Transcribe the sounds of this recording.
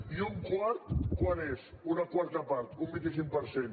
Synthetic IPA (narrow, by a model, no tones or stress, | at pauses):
iuŋkwaɾt̪kwanez | unakwaɾt̪əpaɾt̪umbint̪is̬iŋk̚pəɾsen